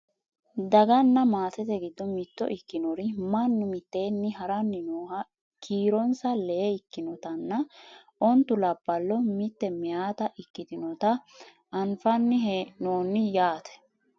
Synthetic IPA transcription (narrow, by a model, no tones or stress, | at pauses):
d̪ɐɡɐnːɐmaːsɛt̪ɛɡɪd̪ːɔmɪt̪ːɔ̰ʔɪkːɪnɔɾɪmɐnːʊmɪt̪ːe̞ːnːɪɦɐɾɐnːɪnoːhɐ | kʰiːɾɔnsɐleɪkːɪnɔt̪ɐnːɐ | ʔɔnt̪ːʊlɐbːɐlːɔmɪt̪ːɛmɪjaːt̪ɐʔɪkːɪd̪ɪnɔt̪ɐ | ʔɐnfɐnːɪɦnoːnːɪjaːt̪ɛ̥